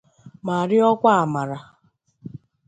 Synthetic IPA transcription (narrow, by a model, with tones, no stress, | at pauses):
ma˨ɾɪ˦ɔ˦kʷa˦a˨ma˨ɾa˨